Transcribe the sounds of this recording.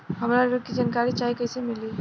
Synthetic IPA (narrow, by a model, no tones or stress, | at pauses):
ɦəmɾaɾɾokid͡ʒankaɾit͡ʃaɦikəjsemili